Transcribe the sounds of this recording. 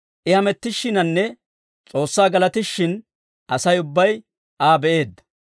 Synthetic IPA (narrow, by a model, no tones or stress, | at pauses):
ʔɪhɐmɛt̪ːɪʃːɪnɐnːɛ | t͡sʼo̞ːsːaːɡɐlɐt̪ɪʃːɪn | ʔɐsɐjʊbːɐj | ʔaːbɛʔe̞ːd̪ːɐ̥